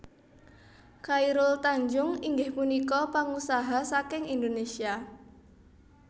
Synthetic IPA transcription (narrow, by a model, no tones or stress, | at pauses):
kaiɾʊlt̪aɲd͡ʒʊŋiŋɡɪhpunikɔpaŋusaɦasakɪŋind̪onesia